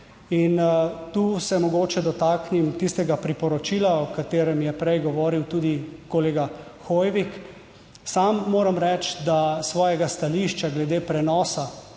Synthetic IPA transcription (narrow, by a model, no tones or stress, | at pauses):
int̪uːsɛmɔɡoːt͡ʃɛd̪ɔt̪aːknimt̪ist̪ɛɡapɾipɔɾɔt͡ʃiːlaɔkat̪eːɾɛmjɛpɾɛjɡɔʋɔːɾiwt̪uːd̪ikɔleːɡa | xojʋik | samːoːɾamɾɛt͡ʃd̪asʋɔːjɛɡast̪aliʃt͡ʃaɡlɛd̪eːpɾɛnɔːsa